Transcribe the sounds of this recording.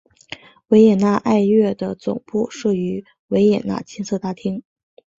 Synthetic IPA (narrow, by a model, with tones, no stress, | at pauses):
we˧˥ɪjɛ˨˩nna˥˧ʔa˥˧ɪɥɛ˥˩d̪ə˩t͡sʊ̰˨˩ŋpu˥˧ʂɤ˥˩y˧˥ | we˧˥ɪjɛ˨˩na̰˥˩t͡ɕʰi˥nsʰɤ˥˩t̪a˥t̪ʰi˥ŋ